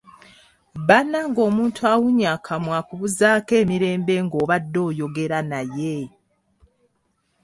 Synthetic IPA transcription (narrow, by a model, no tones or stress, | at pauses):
βanaŋɡo̞ːmuːntʰuawuɲaːkʰamwakuβuzaːke̞ːmiɾe̞ːmbe̞ŋɡo̞ːβadːo̞ːjo̞ɡe̞ɾanaje